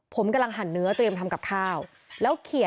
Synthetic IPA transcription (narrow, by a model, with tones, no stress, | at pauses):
pʰo˩˦mka˧mla˧ŋɦa˨˩nːɯ˦˥ɐt̪ɾi˧əmt̪ʰa˧mka˨˩p̚kʰaː˥˩w | lɛː˦˥wkʰi˨˩˦